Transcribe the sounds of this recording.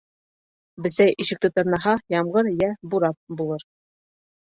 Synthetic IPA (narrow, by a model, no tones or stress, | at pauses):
bɘ̆sæjʔiɕɘ̆k̚t̪ɘt̪ɤ̆ɾnɑɦɑjɑmʁɤɾjæbuɾɑp̚bulˠɤɾ